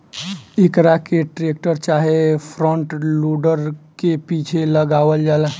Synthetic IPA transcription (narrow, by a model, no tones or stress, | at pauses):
ekɾakeʈɾek̚ʈəɾt͡ʃaɦepʰɾɔ̃ɳʈluɖəɾkepit͡ʃʰeləɡaʋəld͡ʒala